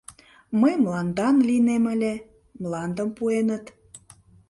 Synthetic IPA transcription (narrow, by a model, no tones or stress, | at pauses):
məjmlɑnd̪ɑnlineməlʲe | mlɑnd̪əmpuenət̪